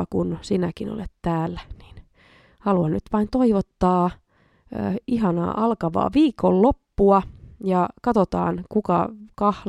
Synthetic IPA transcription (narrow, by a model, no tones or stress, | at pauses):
ɑkunsinækino̰let̪t̪æːlːæni̥ːn | hɑluɑnnyt̪ʋɑint̪oiʋot̪ːɑː | iɦɑnɑ̰ːʔɑlkɑʋɑ̰ːʋiːkːollopːuɑjɑkɑt̪ot̪ɑ̰ːnkukɑkɑhl